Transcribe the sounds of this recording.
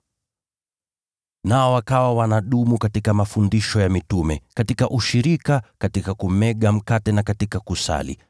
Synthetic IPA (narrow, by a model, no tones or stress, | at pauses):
naɔwakawawanaɗumukatikamafundiʃɔjamitumɛkatikaʔuʃiɾikakatikakum̩ɛɠam̩katɛnakatikakusa̰lḭ